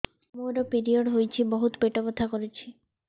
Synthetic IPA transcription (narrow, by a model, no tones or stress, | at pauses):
moɾopiɾioɖɦojt͡ɕʰibɔɦut̪peʈopot̪ʰakoɾet͡ɕʰi